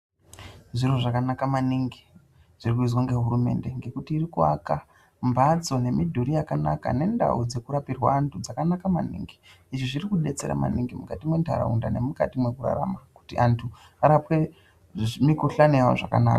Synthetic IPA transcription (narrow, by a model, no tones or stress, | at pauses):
ʐiroʐakanakamaniŋɡi | ʐ̥irikuid͡zwaŋɡe̞ɦuɾume̞̰ndeŋɡe̞kutiːrikua̰ka | mbad͡zo̞ne̞midʱuɾijakanaka̰ne̞nda̰ud͡ze̞kuɾapirwaːntʰud͡zakanakamanḭːŋɡi | iʐiʐirikuɗe̞t͡se̞̰ɾa̰ma̰niŋɡimukatimwe̞ntʰa̰ɾa̰unda̰ne̞muka̰timwe̞kuɾa̰ɾa̰maku̥tiʔantʰu | aɾapwe̞ | mikuɬanejawo̰ʐaka̰na̰ːka